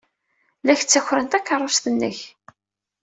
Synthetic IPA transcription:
læç̥t͡sːæçɾənt̪ækːərˤːɑsθənːə̰ç

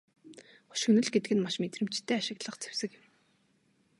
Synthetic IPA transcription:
χʊ̥ʃxɵnɵ̆ɮɡet̪ɘ̆ɡɘ̆nmaʃmet̪rɘ̆m̥t͡ɕt̪ʰːeːaʃɪ̆ɣɮə̆χt͡sʰe̥wsɘ̆kjɪ̆m

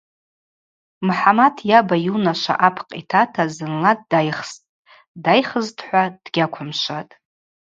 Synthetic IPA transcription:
mħamatʰjabajunaʃʷa̰ʔapʰqʼitʰatʰazɨnlad̚dajχstʼ | dajχəztʰħʷad̥ɡʲakʷʰamʃʷatʼ

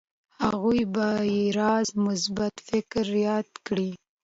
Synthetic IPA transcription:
haɣujbaiɾɑzmʊsbat̪fɪkɾjɑd̪kɽi

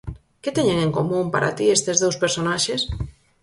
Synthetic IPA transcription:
ket̪eɲeŋeŋkomũmpa̰ɾʔa̰t̪iest̪ezðowspeɾsonaʃes

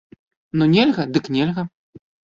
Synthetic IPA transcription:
nunʲelʲɣɐd̪ɨknʲelʲɣɐ

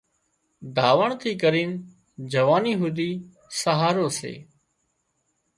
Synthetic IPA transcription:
d̪aːʋəɳt̪ʰiːkəɾiːn | d͡ʒəʋaːniːɦud̪iː | səɦaːɾoːsḛː

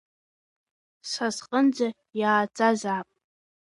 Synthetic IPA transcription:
sazqʼənd͡za | jaːt͡sʼazaːpʼ

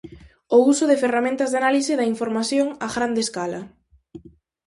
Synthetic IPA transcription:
ousʊðeferamẽnt̪ɐzðanalisɪðɐiɱfoɾmaθjoŋaɣɾand̪eskalɐ

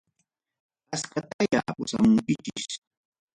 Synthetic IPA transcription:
askat̪ajja̰pʊsa̰mʊŋkɪt͡ʃɪʃ

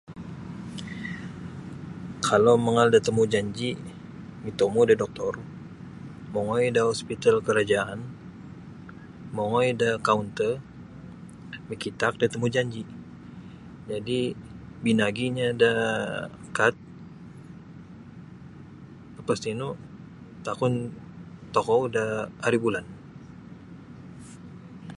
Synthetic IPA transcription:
kʰalowməŋaldat̪əmud͡ʒaɲd͡ʒi | mit̪omudadɔk̚t̪ɔr | moŋɔjdahɔspit̪alkəɾad͡ʒaan | moŋɔjdakaunt̪ə | mikit̪ak̚dat̪əmud͡ʒaɲd͡ʒi | d͡ʒadibinaɡiɲada | kat̪̚ | əpast̪inu | t̪akʊn | t̪okɔdahaɾibulan

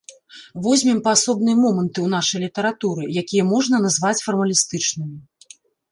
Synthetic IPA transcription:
vɔzʲmʲimpɐːsɔbn̪ɨjɐmɔmɐnt̪ɨwn̪aʂɐjlʲit̪ɐɾat̪uɾɨjakʲijɛmɔʐnɐnazvat͡sʲfɐrmɐlʲist̪ɨt͡ʂnɨmʲi

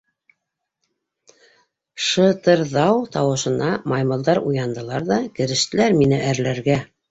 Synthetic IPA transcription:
ʃɤ̆t̪ɤ̆ɾðɑwt̪ɑwɤ̆ʃɤ̆nɑmɑjmɤ̆lˠd̪ɑɾujɑnd̪ɤ̆lˠɑɾðɑkɘ̆ɾɘ̆ʃt̪ɘ̆læɾminɘʔæɾlæɾɡæ

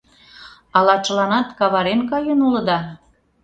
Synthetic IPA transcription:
ɑlɑt͡ʃəlɑnɑt̪kɑβɑɾenkɑjənulə̆d̪ɑ

